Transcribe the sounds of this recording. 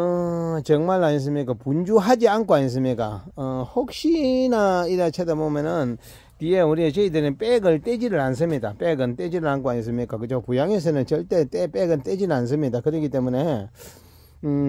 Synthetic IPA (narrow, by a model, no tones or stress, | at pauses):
t͡ʃəŋmalais̬ɯmekapund͡ʒuɦad͡ʒiaŋkwajĩs̬ɯmekahok̚ɕinaidat͡ɕʰat̪amomenɯn | t̪ijewuɾit͡ɕeid̪enepeɡəlted͡ʒilans̬ɯmit̪apeɡənted͡ʑiɾlaŋkuajĩs̬ɯmekakɯt͡ʃʰawpujaŋes̬enɯnt͡ʃeltetepeɡənted͡ʑilans̬ɯmit̪akɯɾekit̪emune